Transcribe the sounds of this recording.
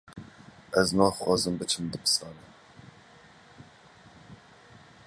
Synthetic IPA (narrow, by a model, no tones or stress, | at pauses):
ɛznɑːxwɑːzɨmbɨt͡ʃʰɨmd̪ɨbɨ̥sɑːnɨ